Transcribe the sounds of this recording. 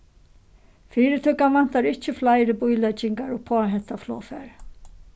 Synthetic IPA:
fiːɾɪt̪ʰʏkːanvan̥t̪aɾɪht͡ɕɪflaːjɾɪbujlɛt͡ʃɪŋkaɾɔɣpʰoːaɦɛnt̪aflɔ̰ːfɛɾ

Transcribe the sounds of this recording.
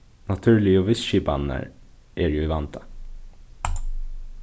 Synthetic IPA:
nɑt̪ʰʉːɭɪoːʋɪsʃiːpɑ̰nːə̰ɾ | ʔɛɾjʊɪʋɑnt̪ʰɑ̥

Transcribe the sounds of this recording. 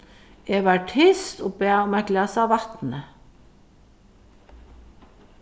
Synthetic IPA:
jeːʋæːʈʰɪst̪oːbeːɔmæklɑːsɑːʋɑt̪nə

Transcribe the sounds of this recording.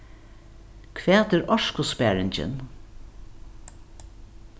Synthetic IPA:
kʰvæːt̪ɛɾɔʃkʊspæːɾɪɲt͡ʃɪ̰n

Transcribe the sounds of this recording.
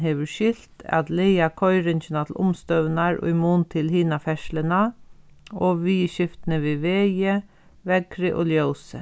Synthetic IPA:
ɦeːʋʉʃɪl̥t̪a̰t̪leɪakʰɔʏɾɪnçənat̪ʰlʔʊ̰mst̪œʋnaɹʊ̰jmuːnt̪ʰɪlhiːnafɛʃləna | ɔʋiːʃɪft̪nəʋiːʋeːjə | ʋɛkɾɪʔɔljoːsə̰

